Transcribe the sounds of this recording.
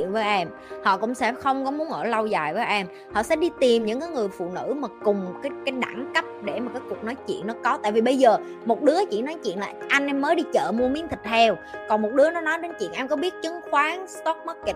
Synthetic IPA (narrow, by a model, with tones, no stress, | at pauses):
ḭ˧˨ənvəː˨˦jʔɛ˧m | hɔ̰˧˨kʊ̰˧˥ŋ͡msɛ̰˧˥xə˧wŋ͡mkɔ˨˦mu˨˦ənʔəː˧˩lə˧wzaː˨˩jvəː˨˦jʔɛ˧m | hɔ̰˧˨sɛ̰˧˥ɗi˧t̪i˨˩mɲɨ̰˧˥ŋkaː˨˦jŋɨ˨˩əjfṵ˧˨nɨ̰˧˥maː˨˩kʊ˨˩ŋ͡mkaː˨˦jkaː˨˦jɗa̰ː˧˩ŋkə˦˥p̚ɗe˧˩maː˨˩kaː˨˦jku˨˩ək̚nɔ˨˦jt͡ɕḭ˧˨ənːɔ˨˦kɔ˨˦t̪a̰ː˧˨jvi˨˩ɓə˧jzəː˨˩ | mo˨˩t̚ɗɨ˨˦ət͡ɕḭ˧˨nɔ˨˦jt͡ɕḭ˧˨ənlaː˨˩ʔa˧jŋ̟ʔɛ˧mːəː˨˦jɗi˧t͡ɕə̰ː˧˨mu˧əmi˨˦nt̪ʰï˨˩k̟̚t̪ʰɛ˧wkɔ˨˩nmo˨˩t̚ɗɨ˨˦ənɔ˨˦nɔ˨˦jɗe˨˦nt͡ɕwḭ˧˨ənʔɛ˧mkɔ˨˦ɓi˦˥ət̚t͡ɕɨ˨˦ŋxwaː˨˦ŋst̪ɔ˦˥k̚mə˦˥t̚k̚